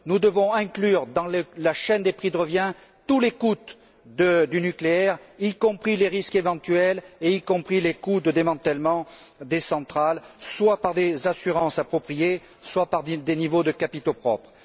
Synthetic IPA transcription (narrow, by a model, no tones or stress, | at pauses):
nud̪əvɔ̃ɛ̃klyʁd̪ɑ̃ləlaʃɛnd̪epχid̪əʁəvjɛ̃ | t̪ulekut̪ | d̪əd̪ynykleɛʁikɔ̃pχileʁiskevɑ̃t̪yɛleikɔ̃pχilekud̪əd̪emɑ̃t̪ɛlmɑ̃ | d̪esɑ̃t̪χalswapaʁd̪ezasyʁɑ̃sapχɔpχije | swapaʁd̪enivod̪əkapit̪opχɔpχ